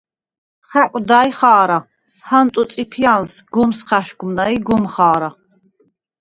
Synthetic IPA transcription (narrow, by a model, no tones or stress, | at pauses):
χækʷʼd̪aːjχaːɾa | hant̪ʼusʼipʰjansɡumsχæʃɡumnaiɡumχaːɾa